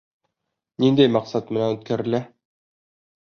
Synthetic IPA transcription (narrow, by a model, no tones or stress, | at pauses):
nind̪æjmɑqsɑt̪mɘ̆nænɵ̆t̪̚kæɾɘ̆læ